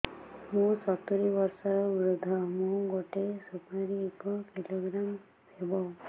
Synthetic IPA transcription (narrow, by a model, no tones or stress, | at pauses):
mũsɔt̪uɾibɔɾsɔɾbɾud̪ʱːɔmũɡoʈesupaɾiekɔkiloɡɾam | ebɔ